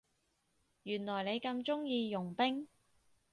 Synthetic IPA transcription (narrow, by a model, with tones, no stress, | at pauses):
jyː˨˩nlɔː˨˩jne˨˧jkɐ˧mt͡ʃʊ˥ŋjiː˧jʊ˨˩ŋpɪ˥ŋ